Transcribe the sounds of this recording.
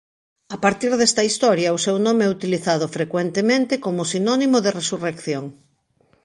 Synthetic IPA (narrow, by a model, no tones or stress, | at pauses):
apaɾt̪iɾðɛst̪ɐist̪ɔɾjɐʊsewnõmeɛut̪iliθaðʊfɾekwent̪emẽnt̪ekomʊsinɔnimoðeresurekθjoŋ